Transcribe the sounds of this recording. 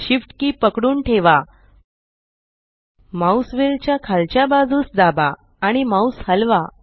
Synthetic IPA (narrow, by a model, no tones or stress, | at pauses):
ɕifʈkiːpəkɽuːnʈʰeʋa | mawsʋelt͡ɕjakʰalt͡ɕjabad͡zʱuːsd̪abaː | ɽ̃imaushəlʋa